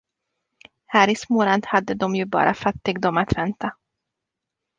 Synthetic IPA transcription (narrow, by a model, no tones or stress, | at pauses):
hæːɾɪsmoːɾant̪had̪ːəd̪ɔmjɵbɑ̰ːɾʔa̰fat̪ːɪɡd̪ɔmat̪vɛnt̪ʰa